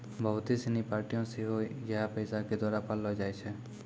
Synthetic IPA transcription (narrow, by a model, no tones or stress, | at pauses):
bəɦʊt̪isenipaːɾʈijõseɦoid͡ʒɛɦapəjsaked̪waːɾapalːɔd͡ʒaːet͡ʃʰɛ